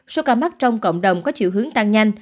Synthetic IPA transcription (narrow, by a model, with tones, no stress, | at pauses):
so˨˦kaː˧ma˦˥k̚t͡ɕɔ˧wŋ͡mkə̰˧˨wŋ͡mɗə˨˩wŋ͡mkɔ˨˦t͡ɕḭ˧˨wɦɨ˨˦əŋt̪a˧ŋɲa˧jŋ̟